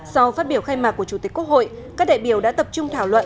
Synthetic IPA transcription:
sa˧wfaː˦˥t̚ɓi˧˩əwxaː˧jmaː˨˩kːu˧˩ət͡ɕu˧˩t̪i˨˩˦ku˦˥k̚ho̰˧˨j | ka˦˥k̚ɗa̰ː˧˨jɓi˧˩əwɗa̰ː˧˥t̪ə˨˩p̚t͡ɕʊ˧ŋ͡mt̪ʰaː˧˩wlwə̰˧˨n

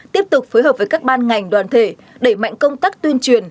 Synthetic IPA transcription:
t̪i˦˥əp̚t̪ʊ˨˩k͡p̚fo˨˦jɦəː˨˩p̚vəː˨˦jkaː˦˥k̚ɓaː˧nŋa˨˩jŋ̟ɗwaː˧˨˩nt̪ʰe˧˩ | ɗe˧˩ma̰˧˨jŋ̟kə˧wŋ͡mt̪aː˦˥k̚t̪wi˧ənt͡ɕwi˨˩ən

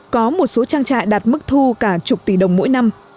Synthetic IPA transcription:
kɔ˨˦mo˨˩t̚so˨˦t͡ɕaː˧ŋt͡ɕa̰ː˧˨jɗaː˨˩t̚mɨ˦˥k̚t̪ʰu˧kaː˧˩t͡ɕʊ˨˩k͡p̚t̪i˧˩ɗə˨˩wŋ͡mmo̰˧˥jna˧m

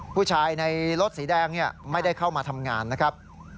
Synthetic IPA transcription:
pʰuː˥˩t͡ɕʰaː˧jna˧jɾo˦˥t̪̚siː˩˦dɛː˧ŋni˥˩ɐma˥˩jda˥˩jkʰa˥˩wmaː˧t̪ʰa˧mŋaː˧nːa˦˥kʰɾa˦˥p̚

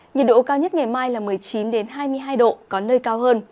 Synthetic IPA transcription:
ɲə˨˩ɗo̰˧˥kaː˧wɲ˦˥t̚ŋa˨˩jmaː˧jlaː˨˩mɨ˨˩əjt͡ɕi˨˦nɗe˨˦nɦaː˧jmɨ˧əjɦaː˧jɗo̰˧˨kɔ˨˦nəː˧jkaː˧whəː˧n

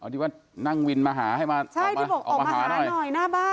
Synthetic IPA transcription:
ʔa˧˩t̪ʰiː˧˩waː˥˩ | na˥˩ŋwi˧nmaː˧ɦaː˩˦ɦa˥˩jmaː˧t͡ɕʰaː˥˧˨jt̪mi˥˧˩bo˧˨˩kʔɔː˨˩aː˧mː˧˩˨a˦˧˦n˧˩jnɔ˨˩jnaː˥˩baː˥˩

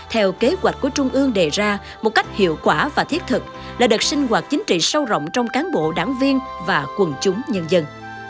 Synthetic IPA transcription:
t̪ʰɛ˧wke˨˦ɣwa˨˩jk̚ku˧˩ət͡ɕʊ˧ŋ͡mʔɨ˧əŋɗe˨˩zaː˧ | mo˨˩t̚ka˦˥jk̚hḭ˧˨əwkwaː˧˩vaː˨˩t̪ʰi˦˥t̚t̪ʰɨ˨˩k̚ | laː˨˩ɗɨ˨˩k̚sï˧ŋ̟ɣwaː˨˩t̚t͡ɕï˨˦ŋ̟t͡ɕḭ˧˨sə˧wzə̰˧˨wŋ͡mt͡ɕɔ˧wŋ͡mkaː˨˦nɓo̰˧˨ɗa̰ː˧˩ŋvi˧ənvaː˨˩kwə˨˩nt͡ɕʊ˨˦ŋ͡mɲə˧nzə˧n

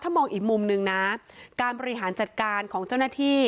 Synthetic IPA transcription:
t̪ʰːa˥˩mɔː˧ŋʔiː˨˩k̚mu˧mnɯ˧ŋna˦˥kaː˧nbɔː˧ɾi˥ɦaː˩˦nt͡ɕa˨˩t̪̚kaː˧nkʰɔː˩˦ŋt͡ɕa˥˩wnaː˥˩t̪ʰiː˥˩

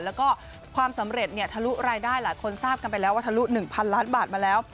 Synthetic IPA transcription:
lɛː˦˥wkɔː˥˩ | kʰwaː˧msa˩˦mɾe˨˩t̪̚ni˥˩ɐt̪ʰa˧lu˦˥ɾaː˧jdaː˥˩jlaː˨˩˦jkʰo˧nsaː˥˩p̚ka˧np̬a˧jlɛː˦˥waː˥˩t̪ʰa˧lu˦˥nɯ˨˩ŋpʰa˧nlaː˦˥nbaː˨˩t̪̚maː˧lɛː˦˥w

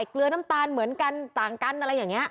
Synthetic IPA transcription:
klɯ˧na˦˥mt̪aː˧nmɯ˩˦ənka˧nt̪aː˨˩ŋka˧nʔa˧ɾa˧jːaː˨˩ŋːni˦˥ɐʔ

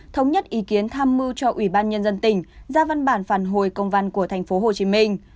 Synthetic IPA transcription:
t̪ʰə˨˦wŋ͡mɲə˦˥t̚ʔi˨˦ki˨˦ənt̪ʰaː˧mːɨ˧t͡ɕɔ˧ʔwi˧˩ɓaː˧nɲə˧nzə˧nt̪ï˧˩ŋ̟zaː˧va˧nɓaː˧˩nfaː˧˩nɦo˧˩jkə˧wŋ͡mva˧nku˧˩ət̪ʰɛ˨˩jŋ̟fo˨˦ɦo˨˩t͡ɕi˨˦mi˧ŋ̟

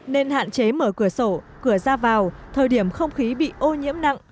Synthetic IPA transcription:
ne˧nha̰ː˧˨nt͡ɕe˨˦məː˧˩kɨ˧˩əso˧˩kɨ˧˩əzaː˧vaː˨˩wt̪ʰəː˨˩jɗi˧˩əmxə˧wŋ͡mxi˨˦ɓḭ˧˨ʔo˧ɲḭ˧˥əmna̰˧˨ŋ

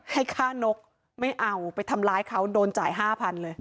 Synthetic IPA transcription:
ha˥˩jkʰaː˥˩no˦˥k̚ | ma˥˩jʔa˧wpa˧jt̪ʰa˧mlaː˦˥jkʰa˦˥wdoː˧nt͡ɕaː˨˩jɦaː˥˩pʰa˧nlɤː˧j

